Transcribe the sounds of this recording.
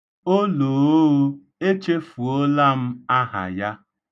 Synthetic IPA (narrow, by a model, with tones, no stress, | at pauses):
o˦lo˨o˦o˦ | e˦t͡ʃe˦fu˨o˦la˦m̩˦a˦ɦa̰˨ja˦